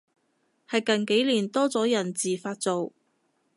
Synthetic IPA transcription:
hɐ˨jkɐ˨nke˨˥jliː˨˩nt̪ɔː˥t͡sɔː˨˥jɐ˨˩nt͡siː˨˩faː˧t̚t͡so˨w

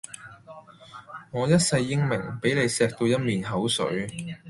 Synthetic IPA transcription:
ŋɔː˨˧jɐ˥t̚sɐ˧jːɪ˥ŋmɪ˨˩ŋpe˨˥jle˨˧jsɛː˧k̚t̪o˧wjɐ˥t̚miː˨nɦɐ˨˥wsɵ̰˨˥ɥ

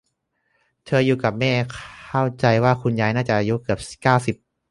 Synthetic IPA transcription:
t̪ʰɤː˧juː˨˧˩ka˨˩p̚mɛː˥˩kʰa˥˩wt͡ɕa˧jwaː˥˩kʰu˧njaː˦˥jnaː˥˩t͡ɕa˨˩ʔa˧ju˦˥kɯ˨˩əp̚kaː˥˩wsi˨˩p̚

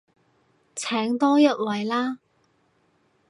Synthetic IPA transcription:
t͡sʰɛː˨˥ŋt̪ɔː˥jɐ˥t̚wɐ˨jlaː˥

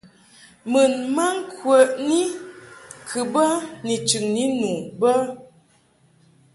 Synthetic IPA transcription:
mɨ˨nma˦ŋ˦kwə˨ʔni˦ | kʰɨ˨bə˦ni˨t͡ʃʉ˨ŋni˦nu˨bə˦

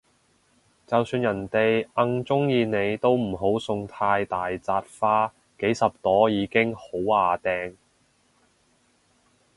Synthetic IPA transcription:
t͡sɐ˨wsyː˧njɐ˨˩nt̪e˨jʔɐ˧ŋt͡sʊ˥ŋjiː˨˧ne˨˧jt̪o˥wm̩˨˩ɦo˨˥wsʊ˧ŋt̪ʰaː˧jt̪aː˨jt͡saː˧t̚faː˥ | ke˨˥jsɐ˨p̚t̪ɔː˨˥jiː˨˧kɪ˥ŋho˨˥waː˨˧t̪ɛː˧ŋ

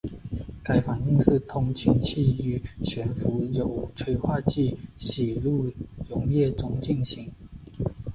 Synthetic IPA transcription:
ka˧˥ɪfa˨˩ni˥˧ŋʂɻ̩˥˩t̪ʰʊ˧˥ŋt͡ɕʰy˧˥nt͡ɕʰi˥˩y˧˥ɕɥɛ˧˥nfu˧˥jo˨˩ʊʈ͡ʂʰwe˧˥ɪxʰwa˥˧t͡ɕi˥˩ɕi˨˩lu˥˩jʊ˧˥ŋjɛ˥˩ʈ͡ʂʊ˥ŋt͡ɕi˥˩ŋɕi˧˥ŋ

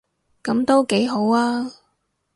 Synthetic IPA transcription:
kɐ˨˥mt̪o˥wke˨˥jɦo˨˥waː˥

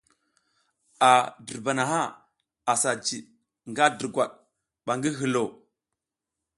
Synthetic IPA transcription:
a˨də˨ɾba˨na˨ɦa˦ | a˨sa˨d͡ʒi˨ | ŋɡa˦də˨ɡwa˨ɗ̚ | ɓa˨ŋɡi˦ɦi˨lo˨

